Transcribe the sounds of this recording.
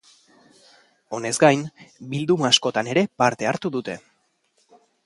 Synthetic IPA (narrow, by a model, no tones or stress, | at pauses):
o̞ne̞zɡajnbild̪umaːsko̞t̪ane̞ɾe̞paɾt̪e̞aɾt̪uðut̪e̞